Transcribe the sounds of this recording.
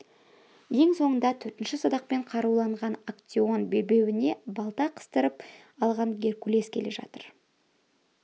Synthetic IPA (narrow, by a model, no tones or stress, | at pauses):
je̞ŋso̞ɴənd̪ɑt̪ʰɵɾt̪ɪnʃɪsod̪ɑq̚pe̞ɴqʰɑɾuwlˠɑɴʁɑnakt̪sio̞nbe̞lbe̞wɪne̞bɑlˠt̪ɑqʰə̥st̪əɾəp | ɑlˠʁɑŋɡʲe̞rkʲule̞skʲʰe̞le̞ʒɑ̰t̪əɾ